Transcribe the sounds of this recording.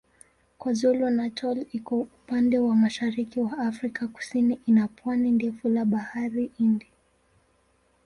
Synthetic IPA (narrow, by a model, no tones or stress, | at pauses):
kwazɔlɔnatʰɔlikɔupandɛwamaʃaɾikiwaːfɾikaku̥siniʔinapwanindɛfulaɓahaɾiʔindi